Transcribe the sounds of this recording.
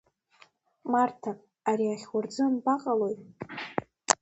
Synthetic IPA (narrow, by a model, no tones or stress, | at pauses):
martʰapʼ | aɾiaχʲwʊrd͡zɨnbaqʼalojʼ